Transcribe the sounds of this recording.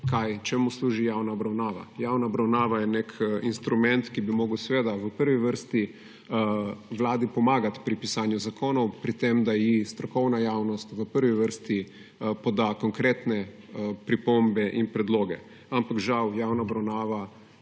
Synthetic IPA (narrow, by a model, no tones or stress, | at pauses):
kajt͡ʃɛmusluʒijawnaɔbɾawnaːʋa̰jawnaɔbɾawnaːʋajɛnekinst̪ɾumɛnt̪kibimɔːɡəwsʋeːd̪aʋəpəɾʋiʋəɾst̪i | ʋlaːd̪ipɔmaːɡat̪pɾipisaːnjuzakoːnɔwpɾit̪emd̪ajist̪ɾɔkɔwnajaːwnɔst̪ʋəpəɾʋiʋəɾst̪i | pɔd̪akɔŋkɾeːt̪nɛ | pɾipombɛʔinpɾɛd̪loːɡɛ̰ | ampakʒawjaːwnaɔbɾawnaːʋa